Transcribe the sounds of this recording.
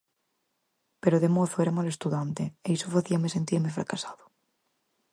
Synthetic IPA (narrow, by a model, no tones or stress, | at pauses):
peɾoðemoθoeɾamale̞st̪uðant̪eeisofaθiamese̞nt̪iɾmefɾa̰kasaðo